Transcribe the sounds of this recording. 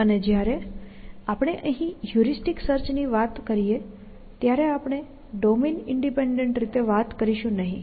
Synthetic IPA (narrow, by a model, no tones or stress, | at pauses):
əned͡ʑjaɾe | apɽ̃eʔə̃ɦĩjuɾisʈiksəɾt͡ɕniʋat̪kəɾije | t̪jaɾeapɽ̃e | ɖominiɳɖipeɳɖeɳʈɾit̪eʋat̪kəɾiɕũnaɦḭ̃